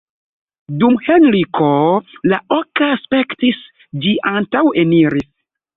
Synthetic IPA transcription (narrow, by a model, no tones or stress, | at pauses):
dumhenɾikʰolaʔokaspektis | d͡ʒiʔantaweniɾis